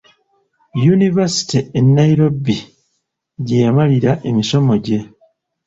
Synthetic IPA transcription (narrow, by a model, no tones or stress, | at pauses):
junivasi̥tienːajiɾo̞bi | ɟejamaliɾaʔe̞miso̞mo̞ɟe̞